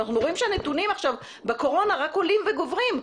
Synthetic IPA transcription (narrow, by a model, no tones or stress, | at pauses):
aχnuʁo̞imʃeanet̪unimaχʃav | beko̞ʁo̞naʁako̞limveɡovʁim